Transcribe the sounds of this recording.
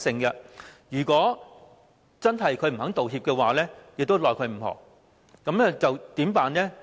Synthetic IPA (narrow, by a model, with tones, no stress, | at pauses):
sɪ˧ŋɡɐ˧jyː˨˩kʷɔː˨˥ | t͡sɐ˥nɦɐ˨jkʰɵ˨˧ɥm̩˨˩hɐ˨˥ŋt̪o˨whiː˧p̚kɛː˧waː˨˩lɛː˥jɪ˨k̚t̪o˥wlɔː˨˩jkʰɵ˧ɥm̩˨˩hɔ̰ː˨˩ | kɐ˨˥mnɛ˥t͡sɐ˨wt̪iː˨˥mpaː˨nlɛː˥